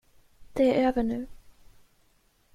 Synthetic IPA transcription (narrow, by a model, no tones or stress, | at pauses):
d̪̥ɛæɾøːvəɳʉ̟ː